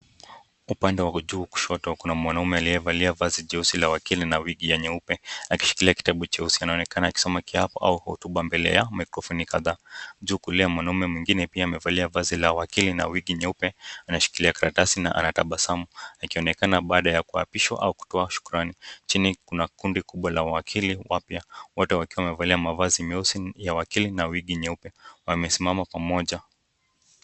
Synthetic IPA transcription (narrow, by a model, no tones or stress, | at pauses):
upandɛwad͡ʒuːku̥ʃɔtɔkunamwanaumɛaliɛvaliavaziʄɛusilawakilinawiɠijɛɲɛupɛaki̥ʃi̥kiliaki̥taɓut͡ʃɛusianaɔnɛkanaːki̥sɔmakiapɔʔa̰uhɔ̰tuɓambɛlɛ̰jamakɾɔfɔnikaðaːd͡ʒuːkuliamwanaumɛmwiŋɡinɛpiaːmɛvaliavazilawakilina̰wiɡiɲɛupɛanaʃi̥kiliakaɾatasina̰ʔa̰nataɓasamuakiɔnɛkanaɓaːɗajakua̰piʃwa̰ʔa̰uku̥tɔaʃu̥kuɾanit͡ʃinikunakundikuɓwalawawakʰiliwapjawɔtɛwakiwaamɛvaliamavazimiusijawakilinawiɠiɲɛupɛwamɛsimamapamɔʄa